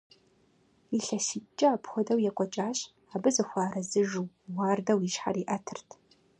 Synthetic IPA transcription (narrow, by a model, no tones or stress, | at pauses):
iɬɐʃit͡ʃʼɐaːpʰxʷɔdɐwjɛkʷʼɔt͡ʃʼaːɕ | aːbɨzɐxʷaːɾɐzɨʒuw | waːrdɐwiʃħa̰riːʔɐtʰɨrtʰ